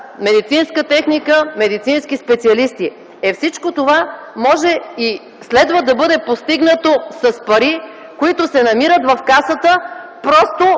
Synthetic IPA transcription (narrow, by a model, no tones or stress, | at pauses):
mɛd̪it̪sinskət̪ɛxnikəmɛd̪it̪sinskʲispɛt̪siɐlist̪i | ɛfsit͡ʃkot̪ova | mɔʒɛi | slɛd̪vəd̪ɐbɤd̪ɛpost̪iɡnət̪osɐspɐɾi | koit̪osɛnɐmiɾət̪vɐfkasət̪əpɾɔst̪o